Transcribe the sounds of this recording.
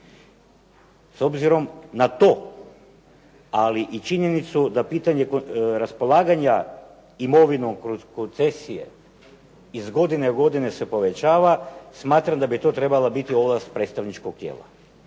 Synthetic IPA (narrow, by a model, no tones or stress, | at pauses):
so̞bziɾo̞mnat̪o̞ː | aliʔit͡ʃiɲe̞nit̪sud̪apiːt̪aɲe̞kɾaspo̞lˠaːɡaɲa | imo̞ʋinoŋkkont̪se̞sije̞̰ | izɡo̞d̪ineɡo̞d̪ine̞sepo̞ʋet͡ɕaːʋasmaːt̪ɾamd̪abit̪o̞ːt̪ɾe̞balabit̪io̞last̪pɾet̪st̪aʋnit͡ʃkoɡk̚t̪jḛːlˠa̰